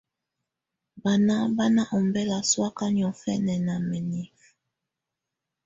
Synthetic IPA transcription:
ba˨na˦ba˦na˦ʔɔ˨mbɛ˦la˨swa˦ka˦njɔ˨fɛ˦nɛ˨na˨mɛ˨ni˦f

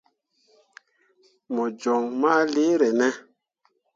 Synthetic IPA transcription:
mɔ˨d͡ʒɔ˨ŋma˦le˦ɾɛ˨nɛ˦

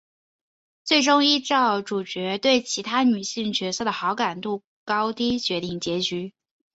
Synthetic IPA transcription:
t͡swe˥˩ɪʈ͡ʂʊ˥ŋi˥ʈ͡ʂɑ˥˩ʊʈ͡ʂu˨˩t͡ɕɥɛ˧˥t̪we˥˩ɪt͡ɕʰi˧˥t̪ʰa˥ny˨˩ɕi˥˩ŋt͡ɕɥɛ˧˥sɤ˥˩d̪ə˩xɑ˧˥ʊka˨˩nt̪u˥˩ | kɑ˥ʊt̪i˥t͡ɕɥɛ˧˥t̪i˥˩ŋt͡ɕjɛ˧˥t͡ɕy˧˥

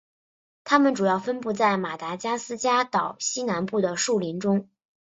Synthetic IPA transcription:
t̪ʰa˥mə˨nʈ͡ʂu˨˩jɑ˥˩ʊfə˥npu˥˧t͡sa˥˩ɪma˨˩t̪a˧˥t͡ɕja˥sɹ̩˥t͡ɕja˥t̪ɑ˨˩ʊɕi˥na˧˥npu˥˩d̪ə˩ʂu˥˩li˧˥nʈ͡ʂʊ˥ŋ

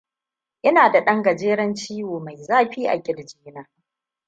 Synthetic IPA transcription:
ʔɪ˦naː˨da˨ɗɐ˦ŋɡɐ˨d͡ʒeː˦ɾɐ˦nt͡ʃiː˦woː˨ma˨jzaː˦ɸiː˦ʔa̰˨ɡʲɪ˨ɽd͡ʒiː˦naː˦

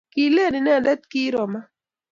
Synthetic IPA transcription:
ki˨le˦˨nɪ˨nɛ˦a˨da˦t̪̚ki˦ɾɔ˨ma˦

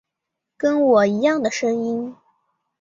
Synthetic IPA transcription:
kə˥nwɔ˨˩i˧˥jɑ˥˩ŋd̪ə˩ʂɤ˥ŋi˥n

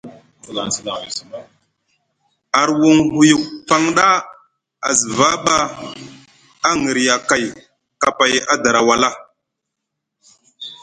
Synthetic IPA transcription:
a˨ɾwu˨ŋɦu˨ju˨k̚fa˦ŋɗa˦ | a˨zi˨va˦ɓa˦ | a˦ŋi˨ɾja˨ka˨j | ka˨pa˨ja˦da˨ɾa˨wa˨la˦

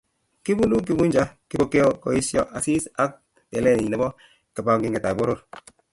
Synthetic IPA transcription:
ki˦bu˦lu˦k̬i˨˦bu˦ɲd͡ʒa˦ki˦bo˦ke˦o˦kɔ̰˨˦i˦sjɔ˦ʔa˨si˦sa˦k̚ | te˨lɛ˦˨ni˨ne˦bɔ˦ | ke˨ba˦ŋɡi˦ŋɡe˨ta˨bo˦ɾo˦˨ɾ

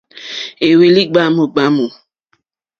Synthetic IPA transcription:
e˨we˨li˦ɡ͡ba˦mo˨ɡ͡ba˦mo˨

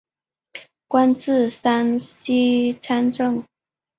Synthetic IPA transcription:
kwa˥nt͡sɹ̩˥˨sa˥nɕi˥t͡sʰa˥nʈ͡ʂɤ˥˩ŋ

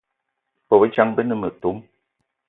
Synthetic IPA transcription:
po˨bə˦t͡ʃa˦ŋbə˦nə˦mə˨tu˨˦m

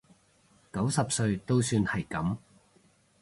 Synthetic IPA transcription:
kɐ˨˥wsɐ˨p̚sɵ˧ɥt̪o˥wsyː˧nhɐ˨jkɐ˨˥m

